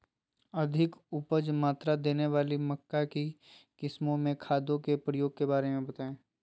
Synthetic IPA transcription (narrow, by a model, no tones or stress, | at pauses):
ɐd̪ʱɪkʊpəd͡ʒmaːt̪ɾad̪eːneʋaːlimɐkːaki | kɪsmõmẽkʰaːd̪õkepɾəjoːɡ̚kebaːɾemẽbɐt̪aːẽː